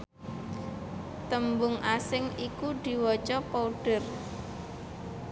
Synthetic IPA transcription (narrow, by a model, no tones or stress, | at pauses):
t̪əmbʊŋʔasɪŋikud̥i̤wɔt͡ʃɔpɔuɖ̥ə̤r